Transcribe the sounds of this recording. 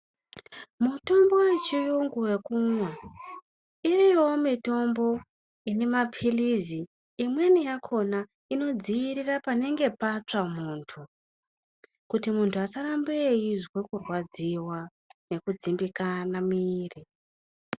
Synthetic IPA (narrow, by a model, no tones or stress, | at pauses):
muto̞mbo̞wet͡ʃijuŋɡuwe̞kumwa | iriwo̞mito̞mbo̞ | ine̞mapʰiliziː | mwe̞nijakʰo̞na | ino̞d͡ziiɾirapane̞ŋɡe̞pat͡ʂamuːntʰu | kutimuntʰuasaɾambe̞jiʐwe̞kurwad͡ziwa | ne̞kud͡zimbikanamiːri